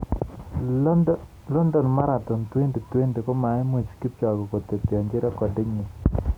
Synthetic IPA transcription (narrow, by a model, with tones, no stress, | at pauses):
lɔ˦ndɔ˨nma˦ɾa˨t̪ɔ˨nt̪we˦ndi˨t̪we˦nde˨kɔ˦ma˨ɪ˦mwi˨t͡ʃki˦p̚t͡ʃɔ˨ɡɔ˨ko˨t̪e˨tjɔ˨ɲd͡ʒɪ˦ɾa˦kɔ˨dɪ˦ɲnɪ˨